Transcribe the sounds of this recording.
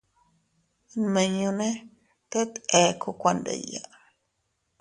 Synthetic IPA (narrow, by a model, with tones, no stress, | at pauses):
nme˧ɲu˧ne˦ | t̪e˦t̪e˨kʰo˧kʷa˧ndḛ˨ja